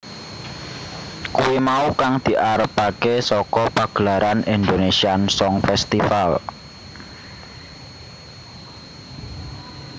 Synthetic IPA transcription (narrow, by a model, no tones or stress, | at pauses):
kuwemaukaŋd̪̥i̤ʔaɾəpakesɔkɔpaɡ̥əlaɾʔanind̪onesiansɔŋfɛst̪ifal